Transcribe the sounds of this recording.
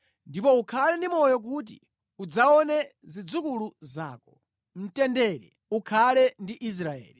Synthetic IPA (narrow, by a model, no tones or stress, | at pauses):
ndipɔukʰalɛndimɔjɔk̬ut̬ḭ | ud͡zaɔnɛzid͡zukuluzaːkɔ̥ | m̩tɛndɛɾɛ | ukʰalɛndiʔis̬ɾaɛ̰ːli